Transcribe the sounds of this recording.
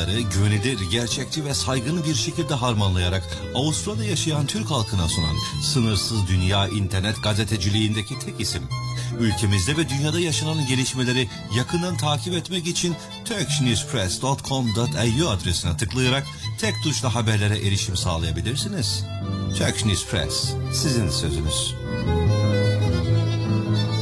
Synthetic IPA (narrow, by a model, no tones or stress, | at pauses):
aɾɯɟønilʲiɾɟæɾt͡ʃʰɛc̚t͡ʃ̪ʰivɛsajɡɯnɯbiɾʃe̞cʰilʲd̪ɛɦaɾmanlˠajaɾak | aust̪ɾad̪ajaʃajant̪ʰyɾchalˠkʰɯnasona̰nsɯnɯɾsɯzd̪ynjaːʔint̪ʰɛɾnɛt̪ɡazet̪ʰed͡ʒilʲijind̪ecʰit̪ʰɛcisimylʲcʰe̞mizd̪ɛvɛd̪ynjaːd̪ajaʃananɟe̞lʲiʃme̞lʲe̞ɾi | jakʰɯnd̪ant̪ʰaːcʰipɛt̪mɛcit͡ʃʰin | t̪ʰøkt͡ʃnuzpʰɾɛsd̪ot̪kʰomd̪ot̪ʰajuad̪ɾesinat̪ʰɯklˠajaɾak̚ | t̪ʰɛc̚d̪uʃlˠaɦabæɾlʲe̞ɾɛʔeɾiʃimsa̰ːlˠajabilʲiɾsiniz̥ | t̪ʰøknuːzpʰɾɛ̰sːizind̪ɛsø̞zy̰nyz̥